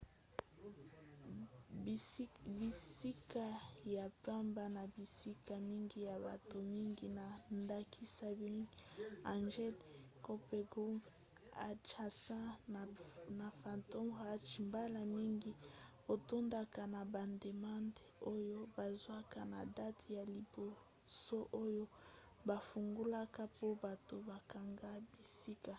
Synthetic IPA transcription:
bi˨si˦kʰa˨ja˨pa˦mba˨na˨bi˨si˦ka˨mi˦ŋɡi˦ja˨ba˨to˨mi˦ŋɡi˦na˨nda˦kʰi˦sa˦bi˦a˨nʒɛ˦l | ko˦pɛ˨ɡʁu˦mp | a˨t͡ʃa˨sã˦˨ | na˨fa˨nto˦ma˦t͡ʃi˨mba˦la˨mi˦ŋɡi˦ | o˨to˦nda˦˨ka˨na˨ba˨nde˨mã˦nde˨o˦jo˦ba˨zwa˦ka˦na˨da˦tja˨li˨bo˨ | so˦ʔo˦jo˦ | ba˨fu˨ŋɡu˦la˦ka˦po˦ba˨to˨ba˨ka˨ŋɡa˦bi˨si˦ka˨

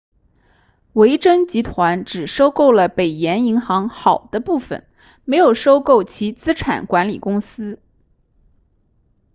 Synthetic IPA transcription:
we˧˥ɪʈ͡ʂə˥ŋt͡ɕi˧˥t̪ʰwa˧˥nʈ͡ʂɻ̩˨˩ʂo˥ʊko˥˩ʊlə˩pe˨˩ɪjɛ˧˥ni˧˥ŋxɑ˧˥ŋxɑ˨˩ʊd̪̥ə˦pu˥˩fə̰˨˩n | me˧˥ɪjo˨˩ʊʂo˥ʊko˥˩ʊt͡ɕʰi˧˥t͡sɹ̩˥ʈ͡ʂʰa̰˨˩nkwa˧˥nlḭ˨˩kʊ˥ŋsɹ̩˥

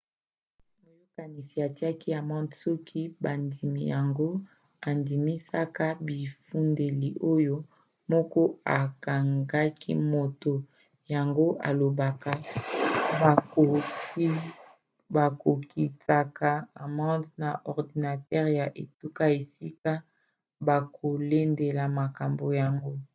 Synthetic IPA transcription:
mo˨jo˦ka˨ni˨si˨a˨ti˦a˦ki˦a˨mɔ̃˦dsɔ˦kʰi˦ba˨ndi˨mḭ˨ja˨ŋɡo˦ | a˨ndi˨mi˦sa˦ka˦bi˨fu˦nde˨li˨ʔo˦jo˦ | mɔ˦kɔ˦a˨ka˨ŋɡa˦kḭ˦mo˨to˨ | ja˨ŋɡo˦ʔa̰˨lo˨ba˨ka˦˨ | o˨˦ | ba˨ko˨ki˨ta˨ka˨a˨mɑ̃˦dna˨ʔɔ˨ʁdi˨na˨tɛ˦ʁja˨ʔe˨tu˦ka˦e˨si˦ka˦ | ba˨kʰo˨le˦nde˨la˨ma˨ka˨mbo˨ja˨ŋɡo˦

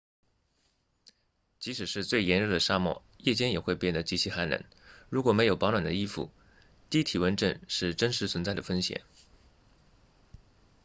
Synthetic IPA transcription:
t͡ɕi˧˥ʂɻ̩˨˩ʂɻ̩˥˧t͡swe˥˩ɪjɛ˧˥nɻə˥˩d̪ə˩ʂa˥mwɔ̰˥˩ | jɛ˥˩t͡ɕjɛ˥njɛ˨˩xwe˥˧ɪpjɛ˥˩nd̪ə˩t͡ɕi˧˥t͡ɕʰi˧˥xa˧˥nɻə̰˧˥n | ɻu˧˥kwɔ˨˩me˧˥jo˨˩ʊpɑ˧˥nwa˨˩nd̪ə˦i˥fṵ˥˩ | t̪i˥˩t̪ʰi˨˩wə˧˥nʈ͡ʂə̰˥˧nʂɻ̩˥˩ʈ͡ʂə˥nʂɻ̩˧˥t͡sʰwə˧˥nt͡sa˥˩ɪd̪ə˩fə˥nɕjɛ̰˨˩˦n

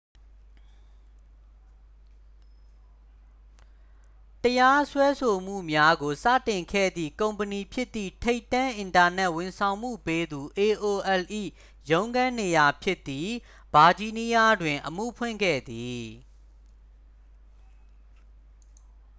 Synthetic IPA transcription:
təja˦swɛ˦sʰo˨m̥ṵ˦˨mja˦ɡo˨sä̰˦˨tɪ̃˨ŋkʰɛ̰˦˨d̪ðḭ˦˨kõ˨ʊ̃mpəni˨pʰjɪ˦t̪ːḭ˦˨tʰe˦ɪtːã˦ʔɪ̃˨nta˨nɛ˦ʔwɪ̃˨nsʰã˨ʊ̃m̥ṵ˦˨pe˦d̪u˨ʔe˨ʔo˨ʔɛ˨lʔḭ˦˨ | jõ˦ʊ̃ŋɡã˦ne˨ja˨pʰjɪ˦ʔt̪ːi˦˨ | b̥a˨d͡ʑi˦˨ni˦ja˦dwɪ̃˨ʔəm̥ṵ˦˨pʰwɪ̰̃˦˨ŋɡɛ̰˦˨d̪i˨

